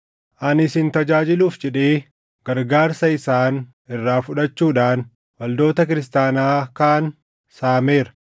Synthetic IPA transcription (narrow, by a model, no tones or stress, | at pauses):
ʔɐnɪsɪnt̪ɐd͡ʒaːd͡ʒɪluːfd͡ʒɛᶑeː | ɡ̥ɐɾɡaːɾsɐɪsaːn | ɪrːaːfʊᶑɐt͡ʃːuːᶑaːn | wɐld̪o̞ːt̪ɐk̬ɪɾɪs̬t̪aːnaːkaːn | saːme̞ːɾɐ̥